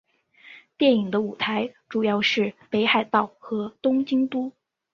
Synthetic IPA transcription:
t̪jɛ˥˩ni˨˩ŋd̪ə˦u˨˩t̪ʰa˧˥ɪʈ͡ʂu˨˩jɑ˥˧ʊʂɻ̩˥˩pe˧˥ɪxa˥˩ɪt̪ɑ˥˩ʊxɤ˧˥t̪ʊ˥ŋt͡ɕi˥ŋt̪u˥

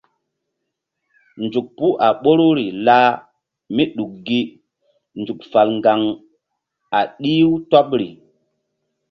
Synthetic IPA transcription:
nd͡ʒu˨k̚pu˦ʔa˨ɓo˦ɾu˦ɾi˨la˦ | mi˦ɗu˨k̚ɡi˦ | nd͡ʒu˨kfa˨lŋɡa˨ŋ | a˨ɗi˦wtɔ˦pɾḭ˨

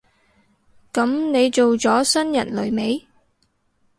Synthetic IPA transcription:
kɐ˨˥mne˨˧jt͡so˨wt͡sɔː˨˥sɐ˥njɐ̰˨˩nlɵ˨˧ɥme˨˧˥j

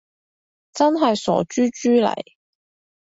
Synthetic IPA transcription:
t͡sɐ˥nɦɐ˨jsɔ̰ː˨˥t͡ʃyː˥t͡ʃyː˥lɐ̰˨˩j

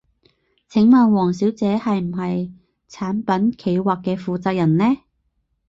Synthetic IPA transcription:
t͡sʰɪ˨˥ŋmaː˨˧nwɔː˨˩ŋsiː˨˥wt͡sɛː˨˥hɐ˨jm̩˨˩ɦɐ˨j | t͡sʰaː˨˥npɐ˨˥nkʰe˨˧jwaː˨kːɛː˧fuː˨t͡saː˧k̚jɐ˨˩nlɛː˥

